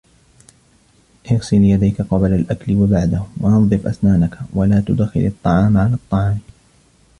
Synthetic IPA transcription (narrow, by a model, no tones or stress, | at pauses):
ʔɪɣsɪljad̪ajkaqɑblalʔakalɪwabaʕd̪ahʊwaʔɑðˤːɨfʔa̰snaːnakawalaːt̪ʊd̪xɪ̰lʔɑt̪ˤːɑʕɑːmʕalaːt̪ˤːɑʕɑːm